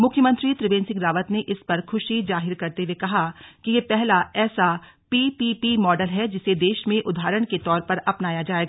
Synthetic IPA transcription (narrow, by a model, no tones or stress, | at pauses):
mʊkʰːjəmə̃nt̪ɾit̪ɾɪʋẽːnsɪ̃ŋɡɾaːʋət̪neʔɪspɐɾkʰʊʃizaːɦɪɾkɐɾt̪eʋekɐɦakijepɛɦlaɛːsa | piːpipimɔːɖəlɦɛd͡ʒɪsed̪eːʃmẽʔʊd̪ʱaːɾəɽ̃ket̪ɔːɾpɐɾɐpnaːjad͡ʒaːeːɡa